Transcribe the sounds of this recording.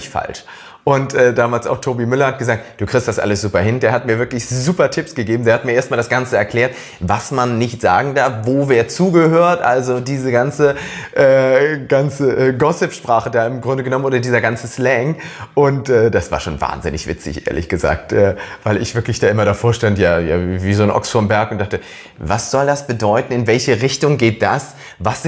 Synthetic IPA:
çfa̰lʃ | ʔʊntʔɛːdaːmaːlsa̰ʊxtʰoːbimʏlɐhat̚ɡ̥əzaːk̚t̚d̥uːkʁ̥ɪçstd̥asʔa̰ləsz̥uːpɐɦɪndeːɐɦatmiːɐvɪɐklɪçzuːpɐtʰɪpsɡ̥əɡeːbm̩deːɐhatmiːɐeːɐstmaːldasɡ̥ant͡səɛɐkʰl̥ɛːɐt | vasmanːɪçtz̥a̰ːɡŋ̩daɐfvoːvɛːɐt͡suːɡəhøːɐtʔa̰lzodiːzəɡant͡səʔɛːɡ̥ant͡səʔɛːɡɔsɛpʃpʁ̥aːχədaːɪmɡʁʊndəɡənɔmənoːdɐdiːzɐɡant͡səslɛŋʔʊntʔɛːd̥asv̥a̰ːɐʃoːnva̰ːnzɪnɪçv̥ɪ̰t͡sɪ̰çʔḛːɐlɪ̰çɡ̥əza̰ːk̚tʔɛːv̥aɪlɪ̰çv̥ɪɐklɪçd̥aːʔɪmɐɾafoːɐʃtantjaːja̰ːviːzoːnʔɔ̰ksfoɐmbɛɐkʊnt̚d̥aχtə | vasz̥ɔldasb̥ədɔʏtn̩ɪnvɛlçəʁɪçtʊŋɡeːt̚d̥as | vas

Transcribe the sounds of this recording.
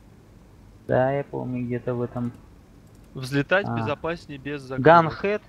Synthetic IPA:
d̪̥ajapo̰mnʲʊɡdʲet̪əvɛt̪əm | vzʲlʲɪt̪atʲbaɪzɐpasʲnʲɪbʲezːɐɡanxɛt̪

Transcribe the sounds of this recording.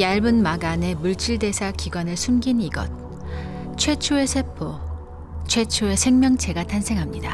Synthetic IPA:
jaɭbɯnmaɡane̞muɭt͡ɕ͈ʰiɭde̞sʰakiɡwanɯɭsʰumɡiniɡʌ̰t̚ | t͡ɕʰwe̞t͡ɕʰoe̞sʰe̞pʰo | t͡ɕʰwe̞t͡ɕʰoe̞sʰe̞ŋmjʌŋt͡ɕʰe̞ɡatʰansʰe̞ŋɦamɲida

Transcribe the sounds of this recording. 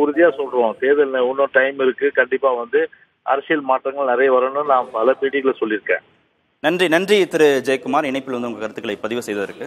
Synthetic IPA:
ʊɾʊðɪjaːsɔlɾõːt̪eːðɐlnɐʊnːõːʈɐɪmɪɾɯkːɯkɐɳɖɪpːaːʋɐnd̪ɯ | ʔɐɾɐsɪjɪlmaːʈːɾɐŋɡɐɭnɪɾɐjɐʋɐɾɐnːɯnãːmpɐlɐpiːɽɪɣɐɭsɔlːɪɾɯkːḛ̃ː | nɐndrinɐndriɪt̪ːɪɾɯd͡ʒɐjkːɯmaːɾɪɳɐɪpːɪlʋɐnd̪ɯʊŋɡɐkɐɾɯt̪ːɯkːɐɭɐɪpːɐðɪʋɐsɛjðɐðɪɾɯkːɯ

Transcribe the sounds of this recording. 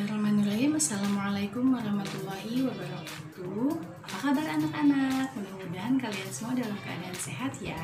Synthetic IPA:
aɾahmanulaɦɪmasːalamuʕalajkʊmwaɾɑhmat̪ulːaɦiwabaɾɔkḁt̪u | apakabaranakanak̚mənəmudaankaliansəmuadalamkəa̰daːnseɦat̪ja̰

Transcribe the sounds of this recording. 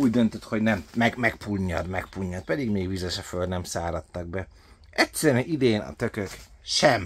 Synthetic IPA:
uːɟd̪ø̞nt̪øt̪ho̞ɟnɛmmɛɡmɛkpʰuɲːɒd̪mɛkpuɲːɒt̪̚pɛd̪iɡmeːɡvizɛʃɒføld̪nɛmsaːɾɒt̪ːɒɡ̚bɛ | ɛt̪sɛɾɛnid̪eːnɒ̰t̪ø̞køkʃɛm

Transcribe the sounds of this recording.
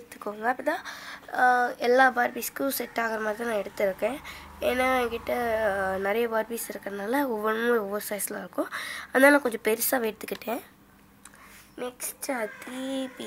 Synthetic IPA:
t̪ːɯ̥kːoːŋɡɐɐpːɐt̪ãː | ɛlːaːbaːɾbiːskʊsɛʈːaːkɐɾɐmaːd̪ɾinãːɛɽɯt̪ːɪɾɯkːẽː | enaŋɡɪʈːɐnɐɾɐjɐbaːɾbiːsɪɾɯkːɐɾɐɐnaːlɐoːʋɐɳmuːoːʋɐɾsɐːɪslaːɪɾɯkːʊ̃ɐnaːlãːkɔɲd͡ʒõpɛɾɪsaːʋeːʈt̪ːɯkːɪʈːẽː | nɛksʈɐt̪ːipː

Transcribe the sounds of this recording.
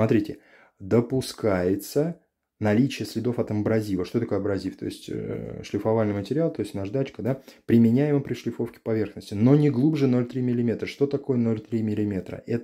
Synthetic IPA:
smɐt̪ɾʲitʲɪ | d̪əpʊskajɪt̪sə | nɐlʲit͡ɕɪjəsʲlʲɪd̪o̞fɐt̪əmbɾɐzʲivəʂt̪o̞t̪ɐko̞jɐbɾɐzʲift̪o̰ɪsʲtʲʂlʲɪfɐvalʲnɨjmətʲɪɾʲɪalˠt̪o̞ɪsʲt̪ʲnɐʐd̪at͡ɕkəd̪apɾʲɪmʲɪnʲæjɪməpɾʲɪʂlʲɪfo̞fkʲɪ̥pɐvʲe̞rxnəsʲtʲɪno̞nʲɪɡlˠubʐɨno̞lʲt̪ɾʲimʲɪlʲɪmʲe̞t̪ɾəʂt̪o̞t̪ɐko̞jəno̞lʲt̪ɾʲimʲɪlʲɪmʲe̞t̪ɾə̰ʔɛt̪

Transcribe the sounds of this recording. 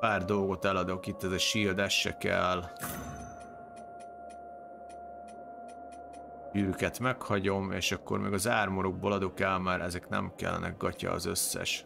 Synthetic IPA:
paːrd̪o̞lɡo̞t̪ɛlɒd̪o̞kit̪ːɛzɛʃiːld̪ɛʃːɛ̰kɛ̰l | ɟyːɾykɛt̪mɛkhɒɟo̞meːʃɒkːo̞̰rmeːɡɒzaːrmoɾoɡ̚boːlɒd̪o̞kɛlmaːɾʔɛzɛknɛ̰mkɛ̰lːɛ̰nɛ̰ɡɡɒcɒ̰ːzø̞sːɛ̰ʃ

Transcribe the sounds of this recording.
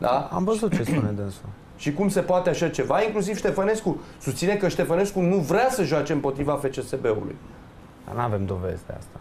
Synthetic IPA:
d̪aa̰mvəzut̪t͡ʃe̞spuned̪ɨnsu | ʃikumse̞poat̪eaʃat͡ʃe̞vaiŋklus̬iv̥ʃt̪e̞fane̞skusust̪sinekəʃt̪e̞fane̞skunuvɾasəʒoat͡ʃe̞ɨmpo̞t̪ɾivafe̞t͡ʃe̞se̞be̞ṵlṵj | d̪a̰nave̞md̪o̞ve̞̰zd̪ḛa̰st̪a

